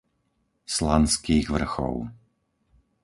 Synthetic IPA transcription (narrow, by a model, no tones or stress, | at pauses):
slanskiːɣʋr̩xɔ̰ʊ